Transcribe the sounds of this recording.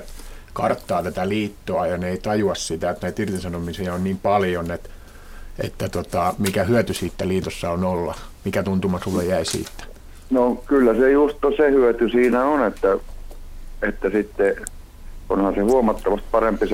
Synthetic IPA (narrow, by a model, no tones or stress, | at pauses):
kɑrt̪ːɑːt̪æt̪æliːt̪ːoɑjɑneeit̪ɑjuɑssit̪æet̪næit̪irt̪isɑnomisiɑonniːmpɑljonet̪ | ḛt̪ːæt̪ot̪ɑmikæhyøt̪ysiːt̪ːæliːt̪osːɑonolːɑ̰mikæt̪unt̪umɑsulːejjæisḭːt̪ːæ̥ | nokylːæsejust̪ːosehyøt̪ysiːnæonet̪ːæ | et̪ːæsit̪ːe | o̰nhɑnsehuomɑt̪ːɑʋɑst̪̚pɑrempis